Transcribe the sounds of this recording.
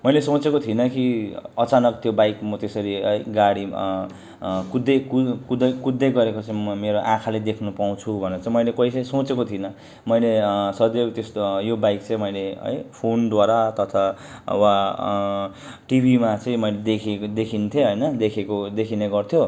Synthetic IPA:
mʌjlesõt͡sekot̪ʰinʌkiʌt͡sanʌk̚t̪ʰijobajkmʌt̪esʌɾiʌjɡaɽi | kud̪ekukud̪ʌjkud̪ːejɡʌɾekot͡sãĩʌmeɾoʔãkʰaled̪ekʰnupaw̃t͡sʰubʱʌneɾʌt͡sãĩmʌjlekʌjsesot͡sekot̪ʰinʌ | mʌjlesʌd̪et̪est̪ojobajkt͡sʌ̃ĩmʌjleɦʌ̰jpʰond̪waɾat̪ʌt̪ʰa | wa | ʈibʱimat͡sʌĩmʌjled̪ekʰed̪ekʰint̪ʰjeɦʌjnʌd̪ekʰekod̪ekʰineɡʌrt̪ʰjo

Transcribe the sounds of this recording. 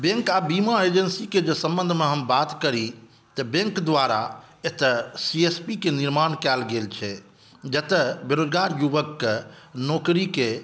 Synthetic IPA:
bẽŋkabimaed͡ʒənsiked͡ʒesəmbə̃nd̪ʱmeɦəmbat̪kəɾi | t̪əbẽŋkd̪ʋaɾa | et̪əsiespikeniɾmankɛlɡelt͡ʃʰɛ | d͡ʒət̪əbeɾod͡ʒɡaɾjuʋəkː | nɔkɾike

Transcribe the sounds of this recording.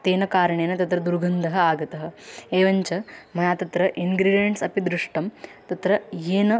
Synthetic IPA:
t̪eːnɐkaːɾɐɳeːnɐt̪ɐt̪ɾɐd̪uɾɡʱɐnd̪ʱɐɦɐaːɡɐt̪ɐɦɐ̆eːʋɐɲt͡ʃɐmɐjaːt̪ɐt̪ɾɐʔiŋɡɾiːɖijɐɳʈsɐpid̪ɾuʂʈɐmt̪ɐt̪ɾɐjeːnɐ

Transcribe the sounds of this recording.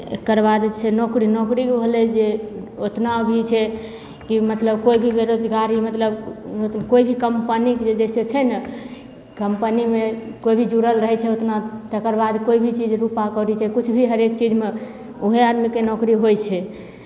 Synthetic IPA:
ḛkəɾbad̪sʰenokɾinokɾiɦolɛd͡ʒeot̪nabʱit͡ʃʰɛ | kimət̪ləbkoibʱibeɾod͡ʒ̪ɡaɾimət̪ləb̪koibʱikəmpənikd͡ʒed͡ʒɛset͡ʃʰɛnə | kəmpənimekoibʱid͡ʒuɾəlɾəɦɛt͡ʃʰɛot̪nat̪əkəɾbad̪koibʱit͡ʃid͡ʒɾupakɔɾit͡ʃʰɛkut͡ʃʰbʱiɦəɾekt͡ʃid͡ʒme | oɦead̪mikenokɾiɦojt͡ʃʰɛ

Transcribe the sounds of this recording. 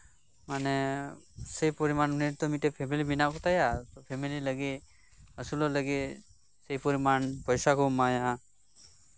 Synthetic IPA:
manɛ | səjpɔɾimanmneɾt̪ɔmitepʰemilibinakɔt̪ajapʰemililəɡi | əsulɔləɡi | səjpɔɾimanpɔjsakʰɔmaja

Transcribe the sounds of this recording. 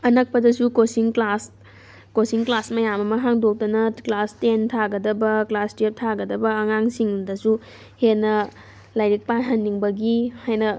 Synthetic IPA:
ɐnɐk̚pɐdɐsukosiŋklas | kosiŋklasmɐjamɐmɐɦaŋdok̚tɐnɐklastentʰaɡɐdɐbɐklastep̚tʰaɡɐdɐbɐːŋaŋsiŋdɐsu | henːɐ | lɐjɾik̚panɦɐnːiŋbɐɡihajnɐ

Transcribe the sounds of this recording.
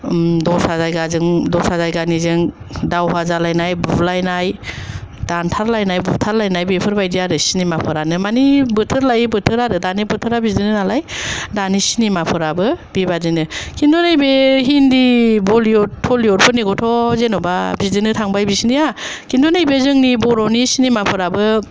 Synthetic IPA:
dɔɾsazajɡazɯŋdɔɾsazajɡanizɯŋ | dawɦazalajnajbublajnaj | d̥antʰaɾlajnajbup̚tʰaɾlajnajbepʰɯɾbajdijaɾɯsinimapʰɯɾanɯmanibɯtʰɯɾlajbɯtʰɯɾadɯdanibɯtʰɯɾabizdɯnɯnalajdanisinimapʰɯɾabɯb̥ibadinɯkʰindɔnajbeɦindibɔliotʰːɔliɔɾpʰɯniɡɔtʰɔzenɔba̰bizdɯnɯtʰaŋbajbisinijakindɔnajbezɯŋnibɔɾɔwnisinimapʰɯɾabɯ

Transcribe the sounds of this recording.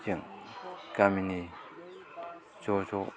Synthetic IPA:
t͡ɕaŋkamini | t͡ɕot͡ɕʰo

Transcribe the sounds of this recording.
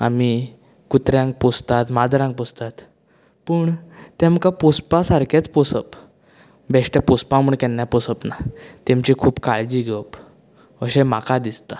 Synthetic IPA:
a̰mi | kut̪ɾjãŋɡ̚pust̪at̪mad̪ɾãŋɡ̚pɔst̪at̪ | pəɳt̪ɛ̃mkapuspasaɾkʰat͡spɔsəp | bɛʂʈapuspãmuɳkɛnːjapɔsəpnat̪ɛ̃mt͡ɕikʰuːbkaɭd͡ʑiːɡʱeəp | əɕɛ̃makad̪ist̪a

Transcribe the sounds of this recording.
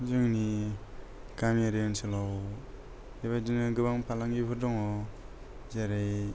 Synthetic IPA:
zɯŋni | kamiaɾiansɯlaw | eβajdinɯɡɯbaŋpʰalaŋɡipʰɯɾdɔŋɔ | zaɾaj

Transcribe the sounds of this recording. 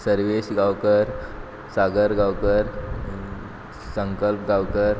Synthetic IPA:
səɾʋesɡawkəɾ | saɡəɾɡawkəɾ | sə̃ŋkəlp̚ɡawkəɾ

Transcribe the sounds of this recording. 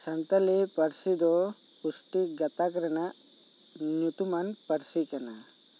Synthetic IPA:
sɐnt̪ɐlɛpɐɾsid̪ɔ | pusʈiɡɐt̪akɾɐnaʔ | ɲut̪umanpɐɾsikana

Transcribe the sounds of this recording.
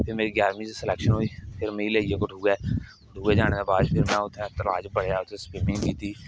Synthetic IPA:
pʰɪɾmeːɾiːɡjaːɾmĩːsesɪlɛːkʃənɦoːiːpʰɪɾmeːileːid͡ʒekoʈuːɡɛː | ʈuːɡeːd͡ʒaːñeːd̪eːbaːd͡ʒ̪pʰɪɾmɛ̃ːʊt̪ʰːɛ̃ːt̪əla̰ːd͡ʒbəɽ̤ejaːʊt̪ʰẽspɪmɪ̃ŋɡɡiːt̪iː

